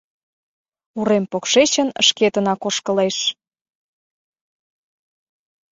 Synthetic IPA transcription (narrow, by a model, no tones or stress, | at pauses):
uɾempokʃet͡ɕənə̰ʃket̪ənɑkoʃkəleʃ